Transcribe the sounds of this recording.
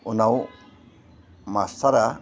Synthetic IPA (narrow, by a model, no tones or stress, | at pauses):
unaw | masaɾa